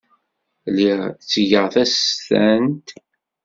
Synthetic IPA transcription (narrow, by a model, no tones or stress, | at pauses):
liʁt͡sːʝəʁθæsθænt̪